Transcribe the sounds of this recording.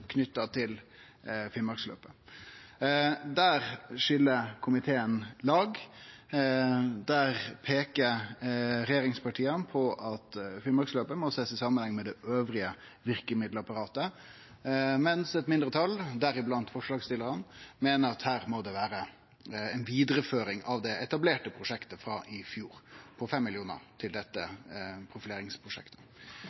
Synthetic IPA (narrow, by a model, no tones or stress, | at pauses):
kʰnʏt̪ːɑt̪ʰɪl | fɪmɑɾkslø̰ːpə | d̪æːɾʂʏlːəkʰʊmɪt̪ʰeːənlɑːɡ | d̪æʁpʰeːkə | ɾɛjeːɾɪŋspɑʈʰiːənpʰɔʔɑt̪fɪlmɑksløːpəmɔseːsɪsɑmːənhɛŋːmɛd̪ɛʔøːʋɾɪə | ʋɪɾkəmɪd̪ləɑpɑɾɑːt̪ə | mɛnsɛt̪mɪnd̪ɾət̪ʰɑlːd̪æɾɪblɑnt̪fɔʂlɑːɡst̪ɪlːəɾənmeːnəɾɑt̪hæːɾmɔd̪ɛʋæːɾə | ɛnʋiːd̪ɾəføːɾɪŋɑʋd̪ɛɛt̪ɑbleːʈəpʰɾʊʂɛkt̪əfɾɑːʔɪfjuːɾpʰɔfɛmːɪlɪuːnə̰ɾt̪ʰɪld̪ɛt̪ːəpʰɾʊfɪleːɾɪŋspʰɾʊʂɛ̰kt̪ʰə̥